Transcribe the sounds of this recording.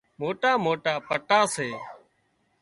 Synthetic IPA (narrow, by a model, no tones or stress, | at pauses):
moːʈaːmoːʈaːpəʈaːseː